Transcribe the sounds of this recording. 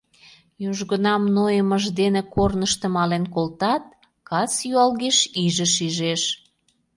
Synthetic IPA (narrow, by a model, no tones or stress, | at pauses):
juʒɣənɑmnojəməʒd̪enekornəʃt̪əmɑlenkolt̪ɑt̪̚ | kɑt͡sjyɑlɣeʃiʒə̆ʃiʒeʃ